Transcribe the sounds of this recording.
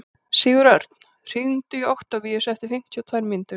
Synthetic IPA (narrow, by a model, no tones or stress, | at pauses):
siːɣʏɾœɾt̪n̥ | r̥int̪ʏowht̪avijɛsɛft̪ɪfɪm̥c̪ʰawt̪ʰvajɾmɪnt̪ʏ